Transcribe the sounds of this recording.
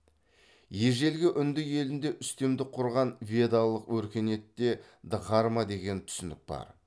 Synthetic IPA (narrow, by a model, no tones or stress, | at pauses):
je̞ʒe̞lɡʲɪʔʏnd̪ɪke̞lɪnd̪e̞ʔʏst̪e̞md̪ɪqʰʊɾʁɑnvʲe̞d̪alˠːəqwɵɾkʲe̞ne̞t̪ːe̞ | d̪əʁɑɾmɑd̪e̞ɡʲe̞nt̪ʰʏ̥sɪnd̪ɪk̚bɑ̰ɾ